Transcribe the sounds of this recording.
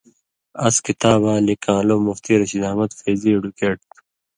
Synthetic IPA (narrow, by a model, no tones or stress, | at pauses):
ɐskit̪aːbaːlikãːloːmuft̪iːɾɐɕid̪aːmɐt̪feːzieɖukeːʈ̪̚